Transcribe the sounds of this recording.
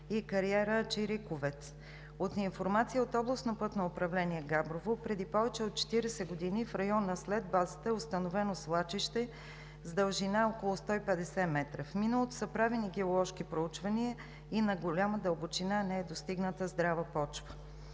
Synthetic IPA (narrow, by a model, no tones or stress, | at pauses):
ikɐɾiɛɾət͡ʃiɾikovɛt̪s | ot̪infoɾmat̪sijəot̪ɔblˠɐsnopɤt̪noːpɾɐvlɛniɛɡabɾovopɾɛd̪ipɔvɛt͡ʃɛot̪̚t͡ʃɛ̥t̪iɾɛsɛɡod̪inifɾɐjɔnəslɛd̪̚bazət̪əɛost̪ɐnovɛnoslˠat͡ʃiʃt̪ɛ | zd̪əlˠʒinaɔkolˠʊst̪ɔipɛd̪ɛsɛmɛt̪ɾəfminəlˠot̪ʊ̥səpɾaviniɡɛolˠɔʃkipɾout͡ʃvɐniə | inɐɡolʲaməd̪əlˠbot͡ʃinanɛɛd̪ost̪iɡnət̪əzd̪ɾavəpɔt͡ʃvə